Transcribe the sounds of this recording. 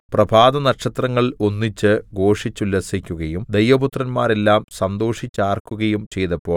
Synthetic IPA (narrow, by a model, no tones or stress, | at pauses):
prɐbʱaːd̪ɐnɐkʂɐt̪rɐŋːɐɭonːit͡ɕːɨɡo̞ːʂit͡ɕːulːɐsikʲːuɣɐjumd̪ejʋɐbut̪rɐnmaːɾe̞lːaːmsɐnd̪o̞ːʂit͡ɕːaːrkːuɣɐjumt͡ɕe̞jt̪ɐpːo̞ːɭ